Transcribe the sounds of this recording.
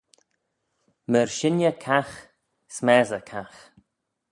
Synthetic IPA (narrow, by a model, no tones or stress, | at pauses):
məɹʃɪnjəkʰax | smɛːzəkʰax